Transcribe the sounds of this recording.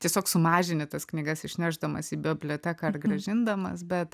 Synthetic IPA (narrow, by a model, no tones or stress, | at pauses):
t̪ʲiɛsʲoːksʊmɑːʒʲɪnʲɪt̪ɐsknʲiːɡɐsɪʃʲnʲæːʒd̪ɐmɐ̰siːbʲobʲlʲoːt̪ʲækɐɐrɡɾɐʒʲɪnd̪ɐmɐ̰sbʲɛt̪